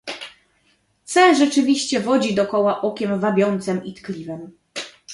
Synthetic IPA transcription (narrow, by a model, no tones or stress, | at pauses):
t̪sɛʐɛt͡ʂɘvʲiɕt͡ɕɛvɔd͡ʑid̪ɔkɔwaʔɔkʲɛmvabʲjɔnt̪sɛmit̪klʲivɛm